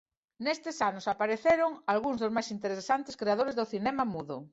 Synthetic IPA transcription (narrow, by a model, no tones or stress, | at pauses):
nest̪esanosapaɾeθeɾoŋalɣuŋzðozmajsint̪eɾesant̪eskɾeaðoɾezðoθinɛmamuðo̰